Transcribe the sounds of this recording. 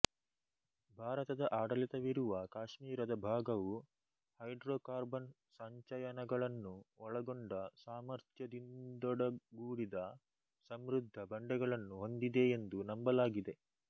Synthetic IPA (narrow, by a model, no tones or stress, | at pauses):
bʱaːɾɐt̪ɐd̪ɐʔaːɽɐlit̪ɐʋiɾuʋɐkaːʂmiːɾɐd̪ɐbʱaːɡɐʋu | hɐjɖɾoːkaːɾbɐn | saːɲt͡ʃɐjɐnɐɡɐɭɐnːuɔɭɐɡoɳɖɐsaːmɐɾt̪jɐd̪ind̪ɔɽɐɡuːɽid̪ɐ | sɐmɾud̪ʱːɐbɐɳɖɛɡɐɭɐnːuɦo̞nd̪id̪e̞ːnd̪unɐmbɐlaːɡid̪e̞